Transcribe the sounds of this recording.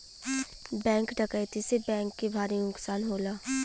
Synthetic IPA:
bɛ̃ːŋkɖəkəjt̪isebɛ̃ːŋkːebʱaːɾinʊksaːnɦoːlaː

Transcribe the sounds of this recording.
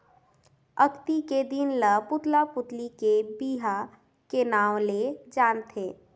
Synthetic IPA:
ɐkt̪iked̪ɪnləpʊt̪lapʊt̪likebiːɦa | kenaːwled͡ʒaːnt̪ʰeː

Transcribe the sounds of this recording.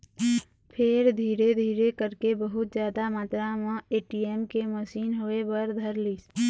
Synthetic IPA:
pʰeɾd̪ʱiːɾed̪ʱiːɾekəɾkebəɦʊt̪zjaːd̪amaːt̪ɾãmãeːʈieːmkeməʃiːnɦoːebəɾd̪ʱəɾliːs

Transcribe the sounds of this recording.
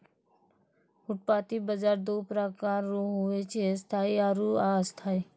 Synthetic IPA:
ʊʈ̚paːt̪ibəzaːɾd̪oːpɾakaːɾːuɦuet͡ʃʰest̪ʰaːiaɾuast̪ʰaːi

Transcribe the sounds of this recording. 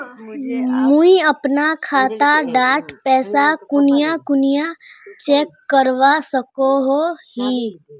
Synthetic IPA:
muiəpnakʰaːt̪aɖaːʈpɛːsakʊnɪjakʊnijat͡ʃeːkːəɾʋasəkoɦohiː

